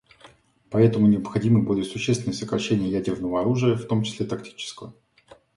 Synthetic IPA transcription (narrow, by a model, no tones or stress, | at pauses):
pɐɛt̪əmʊnʲɪɐpxɐdʲimɨbolʲɪjəsʊɕːest̪vʲɪnəjəsəkɾɐɕːenʲɪjəjædʲɪrvnəvəɐɾuʐɨjəft̪o̞mt͡ɕɪ̥sʲlʲet̪ɐktʲi̥t͡ɕɪ̥skəvə̰